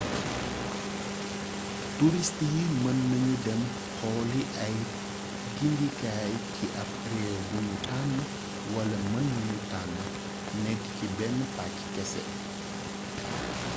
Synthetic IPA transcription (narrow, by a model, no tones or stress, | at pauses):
tuɾistjimɐnːɐɲudɛm | hɔːliʔɐj | ɡindikaːjciʔɐp | ɾɛɡuɲutanːɐ | wɐlɐmɐnːuɲutanːɐ | nɛɡːcibɛnːəpakːi̥kɛsɛ̰